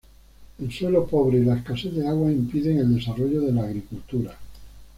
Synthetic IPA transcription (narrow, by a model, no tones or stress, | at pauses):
e̞lswe̞lopo̞β̞ɾeilaeskaseððeaɣwaimpiðe̞ŋe̞ld̪e̞saroʎoðe̞laːɣ̞ɾikult̪uɾa